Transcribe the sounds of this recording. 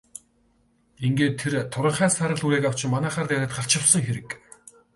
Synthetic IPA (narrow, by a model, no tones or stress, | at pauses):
iŋɡeːt̪ʰːert̪ʰːʊɾə̆ɴχæːsaɾə̆ɮuɾeːkaw̥t͡ɕɪ̆mmːanæːχaːrt̪æːɾʲăːt̪χaɬt͡ɕɪ̆wsə̆ŋxeɾɘ̆k